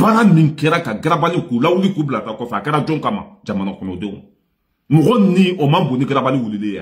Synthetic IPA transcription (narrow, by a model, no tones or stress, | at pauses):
baɾamĩkɛɾakaɡaɾabalĩkulawulikublatakɔsaakɛɾad͡ʒɔ̃kãmã̰d͡ʒamanakɔnɔdõ | mɔɡɔnĩʔomãboniɡaɾabalĩwolilẽja̰